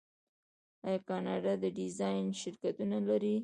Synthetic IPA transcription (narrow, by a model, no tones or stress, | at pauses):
ajɑkɑnɑɖɑd̪əɖɪzɑjnʃɪɾkat̪unalaɾi